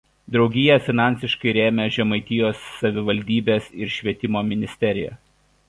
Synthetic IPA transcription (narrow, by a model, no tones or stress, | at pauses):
d̪ɾɒʊɡʲɪjɛˑfʲɪnɑˑnʲsʲɪʃkɐɪɾʲeːmʲɛʒʲɛmɐɪt̪ʲɪjoːsːɐʋʲɪʋɐlʲd̪ʲiːbʲeːsɪɾʃʲʋʲiɛt̪ʲɪmoːmʲɪnʲɪsʲt̪ʲɛɾʲɪjɛ̰